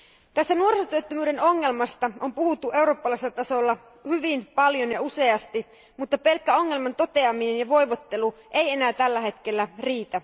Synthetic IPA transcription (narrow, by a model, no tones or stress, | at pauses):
t̪æst̪ænuo̞rsot̪yøt̪ːømyːde̞no̞ŋːe̞lmɑst̪ɑompuhut̪ːuʔe̞uɾo̞ːpːɑlɑiselːɑt̪ɑso̞lːɑ | hyʋinpɑljo̞njɑuse̞ɑst̪i | mut̪ːɑpelkːæo̞ŋːe̞lmɑnt̪o̞t̪e̞ɑminenjɑʋo̞jʋo̞t̪ːe̞luʔe̞je̞næːt̪ælːæɦe̞t̪k̟e̞lːæriːt̪æ